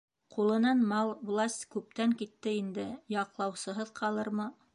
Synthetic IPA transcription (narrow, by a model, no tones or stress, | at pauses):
qulˠɤ̆nɑnmɑlˠvlˠasʲtʲkʉp̚t̪æŋkit̪ːɘind̪ɘjɑqlˠɑwsɤ̆ɦɤðqʰɑlˠɤɾmɤ